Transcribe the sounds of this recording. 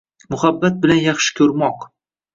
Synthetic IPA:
mʊhabːat̪̚bɪlanjɑχʃɪ̥kʲʰɵɾmɒq

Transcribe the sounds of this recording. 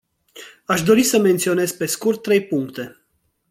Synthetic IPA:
aʃd̪o̞ɾisəme̞nt̪sio̞ne̞zpe̞skurt̪ːɾe̞jpuŋkt̪e̞

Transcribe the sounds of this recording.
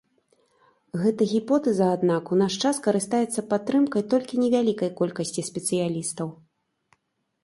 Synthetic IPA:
ɣɛt̪ɐɣʲipɔt̪ɛzɐːd̪nakunaʂt͡ʂaskɐɾɨst̪ajɛt̪sːɐpat̪ːɾɨmkɐjt̪ɔlʲkʲinʲɛvʲalʲikɐjkɔlʲkɐsʲt͡sʲisʲpʲɛt̪sɨjalʲist̪ɐw

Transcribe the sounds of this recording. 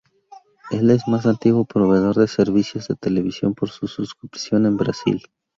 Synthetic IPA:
e̞le̞zmas̬ant̪iɣwo̞pɾo̞βe̞ð̞o̞ɾðe̞seɾβisjo̞zðet̪e̞le̞βisjo̞̰mpo̞ɾsususkupi̥sjo̞ne̞mbɾa̰sḭl

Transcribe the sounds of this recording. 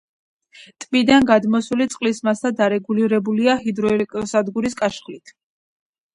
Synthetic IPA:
t̪ʼmid̪anɡad̪mɔsulit̪sʼqʼlismasʰad̪aɾɛɡuliɾɛbuliaɦid̪ɾɔɛlkʼɔsad̪ɡuɾiskʼaʃχlit̪ʰ

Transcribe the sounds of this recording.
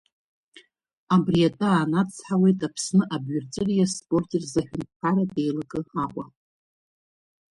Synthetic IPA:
abriatʼaaːnat͡sʰħawe̞jtʼapʰsnɨʔabɥʊrt͡sʼɨrijaspʼo̞rtʼerzaħᶣʊntkʰʷaɾade̞jlaɡɨaqʷʼa

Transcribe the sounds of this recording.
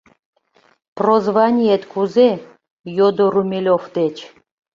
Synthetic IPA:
prozβɑnʲijet̪kuze | jod̪oɾumʲelʲofd̪et͡ɕ

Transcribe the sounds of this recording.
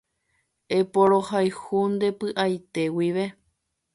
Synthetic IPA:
e̞poɾo̞hajhund̪e̞pɨʔajt̪e̞wiʋe̞

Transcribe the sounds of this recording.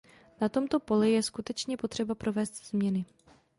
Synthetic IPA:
nat̪o̞mt̪o̞po̞lɪjɛskut̪ɛt͡ʃɲɛpo̞t̪r̝̥ɛbapɾo̞vɛːst̪z̥mɲɛnɪ

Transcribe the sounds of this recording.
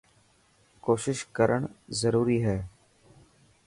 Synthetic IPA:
koːʃɪʃkəɾəɳ̃zəɾuːɾiːɦɛː

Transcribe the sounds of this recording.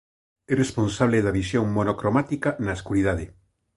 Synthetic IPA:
erespõnsaβleðaβisjõŋmonokɾomat̪ikanaeskuɾið̞aðe

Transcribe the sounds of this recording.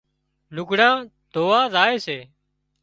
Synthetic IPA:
lʊɡɽãː | d̪ʱoːʋaːzaːeːseː

